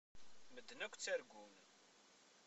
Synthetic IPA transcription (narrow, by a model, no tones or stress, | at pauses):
məd̪ːnækʷt͡sːæɾɡʷun